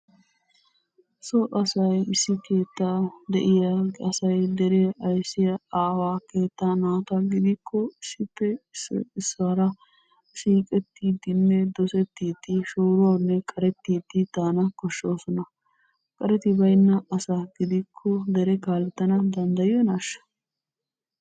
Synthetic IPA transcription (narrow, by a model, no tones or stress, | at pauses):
sɔʔɐsɐjɪsːɪke̞ːt̪ːaːd̪ɛ̰ʔɪjɐɡɐsɐjd̪ɛɾɛʔɐjsːɪjɐaːwaːke̞ːt̪ːanaːt̪ɐɡɪd̪ɪkːɔɪsːɪpːɛsɪsaɾɐ | siːkʼɛt̪ːiːd̪ɪnːɛd̪ɔsɛt̪ːiːd̪ɪʃoːɾʊwanːɛkʼɐɾɛt̪ːiːd̪ɪt̪aːnɐkɔʃːo̞ːsɔnɐ | kʼɐɾɛt̪ɪbɐjnːɐʔɐsaːɡɪd̪ɪkʰːɔd̪ɛɾɛkaːlɛt̪ːɐnɐd̪ɐnd̪ɐjɪjɔnaːʃːɐ̥